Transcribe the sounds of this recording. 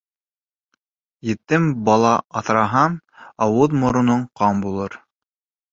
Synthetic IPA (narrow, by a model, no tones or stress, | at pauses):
jɘ̆t̪ːɘmbɑlˠɑɑθɾɑɦɑmɑwɤðmŏɾŏnoɴqɑmbulˠɤɾ